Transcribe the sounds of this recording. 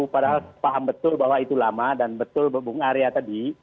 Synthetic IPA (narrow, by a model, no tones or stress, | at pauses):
upadaɦalspaɦambət̪ʊlbaɦwait̪ulamadanbət̪ʊlbəbʊŋaɾeat̪adi